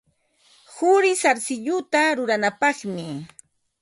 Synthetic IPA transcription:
hʊɾɪsaɾsɪʎʊt̪aɾʊɾanapɑχmɪ

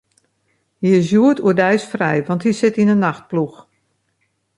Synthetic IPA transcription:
hiɪsjuətʰuədɛjsfrɛjʋɑnthisɪtinənːaxt̚plux

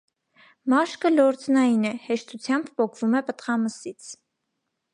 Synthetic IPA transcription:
mɑʃkəlɔɾt͡snɑjinɛhɛʃt̪ut͡sʰjɑmbpɔkʰvumɛpət̪χɑməsit͡sʰ

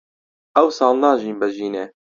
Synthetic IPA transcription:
ɛwsɑːlnɑːʒiːnbɛʒiːne

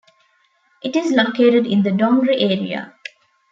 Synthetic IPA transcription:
ʔɪʈizlokeːʈəɖɪ̃nd̪əɖɔ̃ŋɡɾiʔeːɾḭə̰

